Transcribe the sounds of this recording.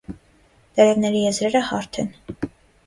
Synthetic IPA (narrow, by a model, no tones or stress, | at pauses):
d̪ɛɾɛvnɛɾijɛzɾɛɾəhɑɾt̪ʰɛn